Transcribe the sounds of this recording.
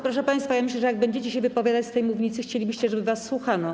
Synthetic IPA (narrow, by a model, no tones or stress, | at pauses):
pɾɔʂɛpaj̃st̪fajamɘɕ̬lɛʐɛjaɡ̚bɛɲd͡ʑet͡ɕɛɕɛvɘpɔvʲjad̪at͡ɕʲst̪ɛjmuvɲit̪sɘxt͡ɕelʲibɘɕt͡ɕɛʐɛbɘvasːwuxanɔ